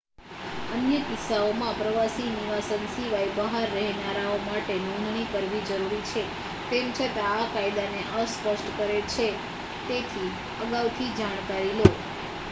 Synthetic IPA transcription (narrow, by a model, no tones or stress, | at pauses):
ənjəkɪsːaomãpɾəʋasiniʋasənsiʋajbəɦaɾːɛɦnaɾaomaʈenɔ̃nd̪ʱnikəɾʋid͡ʒəɾuɾit͡ʃʰe | t̪emt͡ʃʰət̪ãːkajd̪aneʔəspəʃʈkəɾet͡ʃʰe | t̪et̪ʰi | əɡaʋt̪ʰid͡ʒaɽ̃kaɾilo